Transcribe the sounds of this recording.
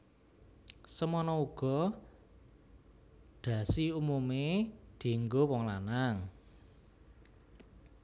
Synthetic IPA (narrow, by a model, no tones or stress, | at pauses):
səmɔnɔuɡ̥ɔ̤ | d̪̥ä̤siumumed̪̥i̤ŋɡowɔŋlanaŋ